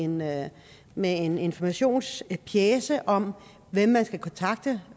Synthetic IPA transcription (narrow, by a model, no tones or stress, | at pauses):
en | mee̝ne̝nfɒmæɕo̝̰ːnspʰjeːsəʔɒ̽m | ʋem̰ːænsɡ̥ækʰɒ̽nt͡sʰɑ̈ɡ̥̚d̥ə